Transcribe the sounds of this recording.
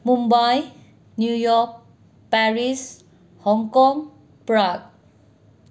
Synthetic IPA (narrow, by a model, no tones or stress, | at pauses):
mumbaj | njujɔk̚ | paɹis | hɔŋkɔm | pɹaɡ̚